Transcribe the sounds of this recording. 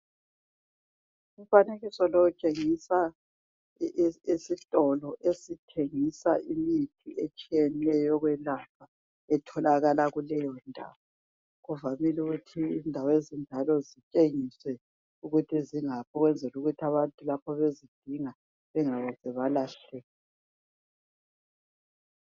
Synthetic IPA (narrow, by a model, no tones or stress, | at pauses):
umfaneɣisɔlɔut͡ʃʼeŋisa | isitʼɔlɔʔesitʰeŋisaʔimitʰiet͡ʃʼijɛnɛjɔɣwɛlapʰa | ɛtʰɔlaɣalaɣulɛjɔndʱa̰ːwɔ | ɣuvamiluɣutʰiːndʱawɔezind͡ʒʱalɔzit͡ʃʼeŋiswɛ | uɣutʰiziŋapʰɔɣwɛnd͡zʱɛluɣutʰiaβantʼulapʰɔβezid̥ʱiŋa | βɛŋaβɔzɛβalaɬɛlɛ